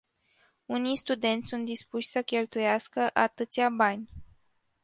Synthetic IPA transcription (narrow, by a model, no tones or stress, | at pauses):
unijst̪ud̪e̞nt̪sʲsunt̪̚d̪ispuʃʲsəkʲelt̪ujaskəʔat̪ɨt̪sʲabanʲ